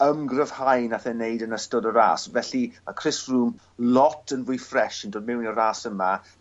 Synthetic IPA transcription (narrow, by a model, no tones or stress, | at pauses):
əmɡrəv̥hajnaθɛneɨdənəstɔdəɾa̰ːsvɛɬimakʰr̥ɪsruːm | lɔtʰənvʊjfrɛʃəndoːd̚mɪwnəɾaːsəma